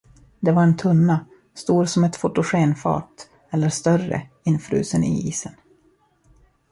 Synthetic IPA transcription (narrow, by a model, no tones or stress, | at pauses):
d̪ɛvaɾɛnt̪ʰɵnːa | st̪uːɾsɔmɛt̪fʊʈːʊɧeːnfɑ̰ːʈ̪ | ɛlːəʂt̪œrə̰ | ɪnːfɾʉ̰ːsənɪ̰iːsən